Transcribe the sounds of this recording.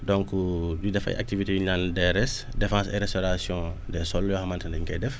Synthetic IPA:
dɔ̃ŋkududɛfɐ̰jʔa̰k̚tivitejuɲandɛɾɛs | defãːsɛ̰ɾɛstoɾasjɔ̃ | dɛsɔljɔxamantandɛŋkɛdɛf

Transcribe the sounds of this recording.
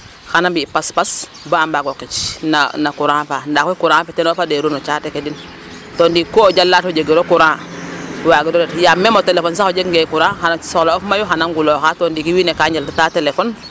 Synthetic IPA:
xanambipaspas | baambaɡokit͡ʃna̰nakuɾãːfandakokuɾãːfetenofadeɾunot͡ʃatekedin | tondikoɟalːatoɟeɡiɾokuɾãː | waɡidɔɾetjamːemotelefons̬axoɟekŋɡekuɾãːxanasoloofmajoxanaŋɡuloxatondikiwiːnekaɲaltataːtelefon

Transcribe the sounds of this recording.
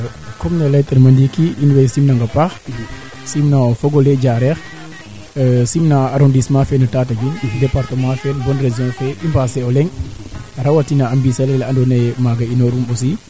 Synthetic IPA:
kɔmnalajtɛɾmandikiinwɛjsimnaŋɡapax | simnaɔfɔɡɔlɛd͡ʒaɾɛx | simnaaɾɔndismãfɛnatatad͡ʒundɛpaɾtəmãfɛnbɔnrezjɔ̃fɛʔimbasɛɔlɛŋ | ɾawatinaambisalɛlaandɔnajmaɡainɔɾumbɔs̬i

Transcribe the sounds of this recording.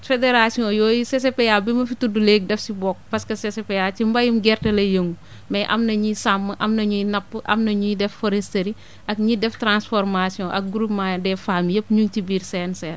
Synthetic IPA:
fedeɾasijɔ̃ːjɔːjisesepejabimɐfituduleɡ̚dɛfsibɔːk̚pɐskɐsesepejat͡ʃimbɐjumɡɛrtɐlɐjəŋɡu | mɐjʔɐ̰mnɐɲisamːɐʔɐmnɐɲunɐpːʔɐ̰mnɐɲudɛfːɔɾɛstɐɾi | ʔɐkɲidɛftɾansfɔɾmasijɔ̃ʔɐk̚ɡuɾupmaːjdɛfaːmjɐpːɲuŋt͡ʃibiːɾsɛːnsɛː

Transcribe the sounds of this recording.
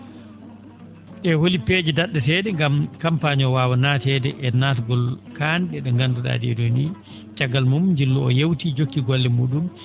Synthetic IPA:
ʔɛwolipeːd͡ʒɛdaɗːɛsɛdɛŋɡamkampaɲɔwaːwanasɛdɛʔɛnatɡɔlkanɗɛɗɔŋɡanduɗa̰ːdɛ̰doni | t͡ʃaɡːalmumɲd͡ʒilːɔɔ̰jewtid͡ʒokːiɡɔlːɛmuːɗum

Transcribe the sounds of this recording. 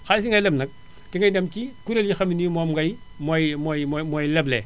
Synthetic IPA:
xasiŋɡajlɐmnɐk̚ | tiŋɡajdɐmkikuɾeljixaminimomɡaj | mojmjmmojleblḛ

